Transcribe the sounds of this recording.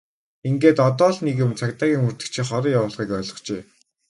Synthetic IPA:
iŋɡeːt̪ɔt̪ɔːɮneɣɘ̆mt͡sʰakt̪aːɣʲiːŋurt̪ɘ̆kt͡ɕʰiχɔɾiːjawʊːɮʁiːkœːɮʁɞ̆χt͡ɕeː

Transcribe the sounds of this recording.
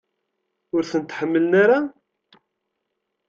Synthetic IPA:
ʊɾθənt̪ħəmːəlnaɾa

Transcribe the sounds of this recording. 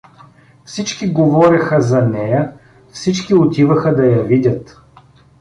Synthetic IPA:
fsit͡ʃkiɡovɔɾʲɐxəzɐnɛjə | fsit͡ʃkiot̪ivɐxəd̪ɐjɐvidʲɐt̪

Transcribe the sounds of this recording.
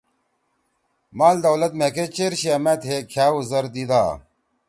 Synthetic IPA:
maːld̪ɐwlɐt̪meket͡ɕeɾɕiamɐt̪ɦekʰaːuzɐɾd̪id̪aː

